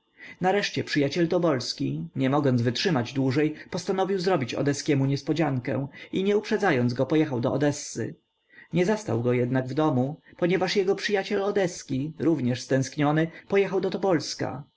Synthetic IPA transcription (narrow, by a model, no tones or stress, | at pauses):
naɾɛʂt͡ɕɛpʂɘjat͡ɕɛlt̪ɔbɔlskʲiɲɛmɔɡɔnzvɘtʂɘmad͡ʑd̪wuʐɛjpɔst̪anɔvʲiwzɾɔbʲit͡ɕɔ̰d̪ɛskʲɛmuɲɛspɔd͡ʑaŋkɛ̰̃w̃iɲɛupʂɛd̪zajɔnd̪zɡɔpɔjɛxawd̪ɔɔd̪ɛsːɘ̰ | ɲɛzast̪a̰wɡɔjɛd̪naɡvd̪ɔmupɔɲɛvaʂjɛɡɔpʂɘjat͡ɕɛlɔd̪ɛskʲiɾuvɲɛʂst̪ɛ̃w̃skɲɔnɘpɔjɛxawd̪ɔt̪ɔbɔlska̰